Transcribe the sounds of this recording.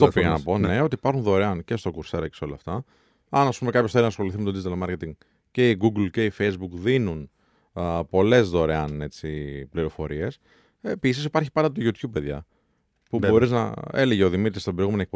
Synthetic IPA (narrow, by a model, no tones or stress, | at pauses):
opiɣɐnɐpo̞ne̞ot̪ipɐɾxunðo̞ɾeɐnce̞st̪o̞kuɾse̞ɾɐkceso̞lɐːft̪ɐ | ɐnɐspume̞kɐpçoθeɾinɐsxo̞liθimet̪od̪izit̪ɐlmɐɾcet̪iŋ | ce̞iɡuɡlce̞ifejzbukðinun | po̞le̞zðo̞ɾeɐne̞t͡sipliɾo̞fo̞̰ɾie̞s | episisipɐɾçi̥pɐnd̪ɐt̪oʝut̪çub̚pːe̞ðʝɐ̰ | puo̞ɾiznɐ̰e̞le̞ʝeoðimit̪ɾist̪obɾjɣumenoek̚p